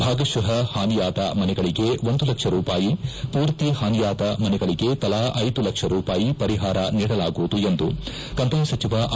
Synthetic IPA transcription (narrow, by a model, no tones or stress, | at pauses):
bʱaːɡɐʃɐɦɐhaːnijaːd̪ɐmɐnɛɡɐɭiɡe̞ʋond̪ulɐkʂɐɾuːpaːjipuːɾt̪ihaːnijaːd̪ɐmɐnɛɡɐɭiɡe̞t̪ɐlaːʔɐjd̪ulɐkʂɐɾuːpaːjipɐɾiɦaːɾɐniːɽɐlaːɡuʋud̪ue̞nd̪u | kɐnt̪ɐmsɐt͡ʃiʋaʔ